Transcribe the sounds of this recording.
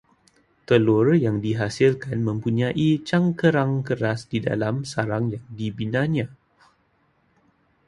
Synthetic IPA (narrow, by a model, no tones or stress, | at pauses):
t̪əlurjaŋdiɦasilkanmə̃mpuɲãʔit͡ʃaŋkəɾaŋkəɾasdida̰lamsaɾaŋjaŋdibinãɲã